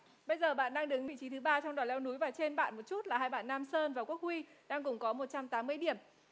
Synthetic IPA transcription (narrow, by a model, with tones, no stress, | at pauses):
ɓə˧jzəː˨˩ɓa̰ː˧˨nɗaː˧ŋɗɨ˨˦ŋvḭ˧˨t͡ɕi˨˦t̪ʰɨ˨˦ɓaː˧t͡ɕɔ˧wŋ͡mɗɔaː˨˩lɛ˨˧wnu˨˦jvaː˨˩t͡ɕe˧nɓa̰ː˧˨nmo˨˩t̚t͡ɕu˦˥t̚laː˨˩ɦaː˧jɓa̰ː˧˨nːaː˧msəː˧nvaː˨˩ku˦˥ək̚hwi˧ɗaː˧ŋkʊ˨˩ŋ͡mkɔ˨˦mo˨˩t̚t͡ɕa˧mt̪aː˨˦mːɨ˧əjɗi˧˩əm